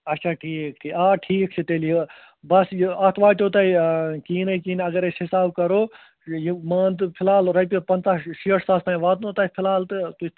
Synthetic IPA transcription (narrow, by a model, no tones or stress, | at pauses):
ɐtːt͡ʃʰaːʈʰiːkʈʰiaːʈʰiːk̚t͡ʃʰit̪eːlije | bɐsjɐt̪ʰʋaːtoːt̪ɐikiːnɐikiːnɐɡɐɾesɦisaːbkɐɾoː | jimɐːnd̪ɨpʰɪlaːlɾɐp̬ipɐnt̪aʃiəʈʰsaːst̪ãːĩʋaːd̪nõt̪ɐipʰɪlaːlt̪ɨt̪u